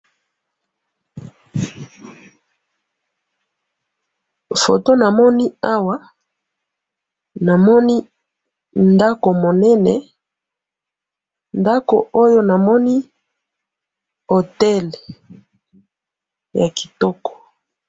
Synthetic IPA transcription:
fo̰˨to˦na˨mɔ˦ni˦a˦wa˦ | na˨mɔ˦ni˦ | nda˦ko˨mo˨nɛ˦nɛ˨ | nda˦ko̰˨ʔo˦jo˦na˨mɔ˦ni˦ | o˨tɛ˦l | ja˨ki̥˨tɔ˦kɔ̥˨

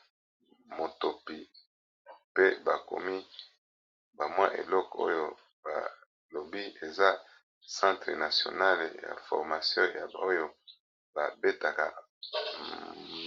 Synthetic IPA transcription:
mo˨to˨pi˨ | pe˦ba˨ko̰˨mi˦ | ba˨mwa˦ʔḛ˨lɔ˦ko̰˦jo˦ | ba̰˨ | lo˨bi˦e˨za˦ | sã˦tʁə˨na˨sjo̰˨na˦lja̰˨fɔ̰˨ʁma˨sjɔ̃˦ja˨bo˦jo˦ | ba˨be˦ta˨ka̰˨

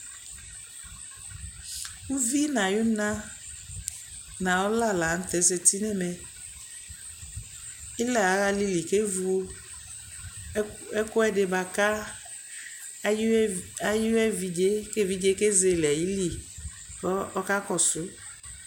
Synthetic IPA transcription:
u˦vi˦nã˨jʊ˦nã˦ | nã˨ɔ˦la˦˨la˨n̩˦t̪ɛ˨˦s̬e˧ti˦nɛ˦˨mɛ˨ | ɪ˦lɛ˨a˨˦ɣa˧li˦li˨ke˦vu˦ | ɛ˦kʊ˦ɛ˦dɪ˨ba˨ka˦ | a˦ji˦ɛ˦vi˨d͡ʒe˦ke˦˨vi˦d͡ʒe˦ke˦ze˨lɛ˨ji˦li˦ | kɔ˦ɔ˦ka˦kɔ˨sʊ˨˦

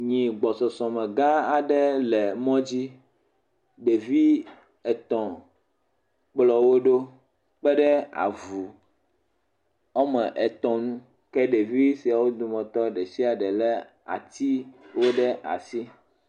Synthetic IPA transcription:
ɲĩ˨ɡ͡bɔ˨sɔ˨sɔ̃˨mɛ̃˨ɡa˦a˨ɖɛ˦lɛ˨mɔ̃˦d͡ʑi˦ | ɖe˨vi˦ | ɛ˨t̪ɔ̃˨ | k͡plɔ˨wo˦ɖo˦ | k͡pɛ˦ɖɛ˦a̰˨vu˨ | ɔ˦mɛ̃˨ʔɛ˨t̪ɔ̃˨nũ˦ | kɛ˦ɖe˨vi˦si˨a˨wo˦d̪u˨mɛ̃˨t̪ɔ˦ɖɛ˨si˦a˨ɖɛ˨lɛ˦ | a̰˨t̪i˦wo˦ɖɛ˦ʔa̰˨si˦

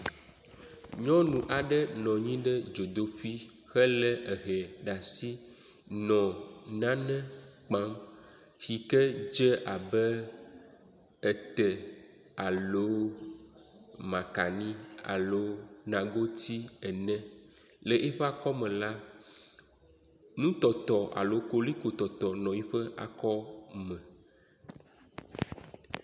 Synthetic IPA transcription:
ɲɔ̃˦nũ˨ʔa˨ɖɛ˦nɔ̃˨ɲĩ˦ɖɛ˦d͡ʒo˨d̪o˨fi˦ | xɛ˦lɛ˦ʔe˨ɦɛ˨ɖa˨si˦ | nɔ̃˨nã˦nɛ̃˦k͡pã˦m | xi˨kɛ˦d͡ʒɛ˦ʔa˨bɛ˦ | ɛ˨t̪ɛ˨ | a˨lo˨˦ | mã˨ka˨nĩ˦a̰˨lo˨˦nã˨ɡo˦t̪i˦ɛ˨nɛ̃˦ | le˨ʔe˦ɸɛ˦a˦˨kɔ˦mɛ̃˨la˦ | nũ˦t̪ɔ˨t̪ɔ˨ʔa̰˨lo˨˦ko˦li˦ko˨t̪ɔ˨t̪ɔ˨nɔ̃˨ji˦ɸɛ˦ʔa̰˨kɔ˦mɛ̃˨

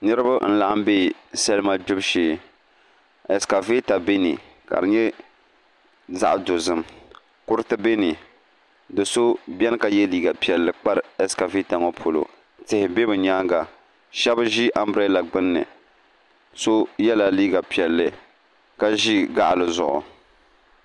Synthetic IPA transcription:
nɨ˦ɾɨ˦ba˦n̩˦la˨ʔa˦m˦be˦˨sɛ˦lma˦d͡ʒʊ˦bʃeː˨ | ɛ˨ska˨ve˦ta˨be˦ni˨ | ka̰˨ɾɨ˨ɲɛ˦ | za̰˦ʔdo˨zɨ˦m | kʊ˦ɾɨ˦tɨ˦be˦ni˨ | dɨ˨so˦bʲɛ˦n˦ka˨jɛ˦liː˦ɡa˨pi˨ɛ˨lːɨ˨k͡pa˦ɾɛ˨ska˨ve˦ta˨ŋɔ˦pʰo˨lo̰˨ | tɪ˨hɪ˨bɛ˦bɨ˨ɲaː˦ŋɡa˨ | ʃɛ˦bʒi˦ʔa˦mbɾɛ˦la˨ɡ͡bɨ˦nːɨ̰˨ | so˦jɛ˦la˨liː˦ɡa˨pi˨ɛ˨lːɨ˨ | ka˦ʒi˦ɡa˦ʔlɨ˨zʊ̰˨ʔʊ̰˨

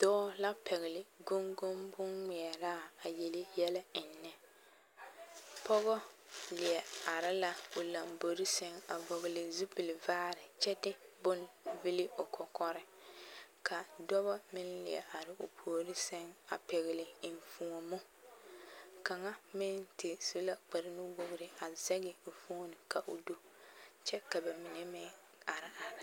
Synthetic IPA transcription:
d̥ɔː˦la˦pɛ˨ɣɪ˨lɪ˨ɡʊ˦ŋɡʊ˦mbʊ˦nŋɪ˨ɛ˨ɾa˦˨a˨je˨lɪ˦jɛ˦la˦ɪ˨nːɛ˨ | pɔ˦ɣɔ˦lɪ˨ɛ˨a˨ɾɪ˦la˦ʊ˨la˨mbo˨ɾɪ˦sɛ˦ŋa˨bo˨ɣɪ˨lɪ˨zu˦bɪ˨lɪ˨vaː˦ɾɪ˨t͡ʃɛ˦tɪ˦bʊ˦n˨vɪ˦lɪ˦o˨kʰɔ˨kɔ˦ɾɪ˦ | ka˨dɔ˦βa˦mɪ˦nlɪ̰˨ɛ̰˨ʔa˨ɾɪ˨ʊ˨pʰo˨o˨ɾɪ˦sɛ˦ŋa̰˨pɛ˨ɣɪ˨lɪ˨ɪ˨n˨fu˦ŋo˨mʊ˦ | ka˨ŋa˦mɪ˦ntɪ˨su˦la˦k͡pɛ˨ɾɪ˦nʊ˦ɡ͡bʊ˦ɣɪ˦ɾɪ˦a˨zɛ˦ɡɪ˨fu˦nɪ˨ka˨ʔʊ̰˨do˦t͡ʃɛ˦ka˨ba˨mɪ˨nɛ˦mɪ˦ | a˨ɾɪ˨ʔa˨ɾɪ˨

